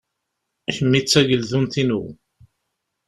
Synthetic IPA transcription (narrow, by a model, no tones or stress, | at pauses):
æçəmːit͡sːæʝəlðunθinṵ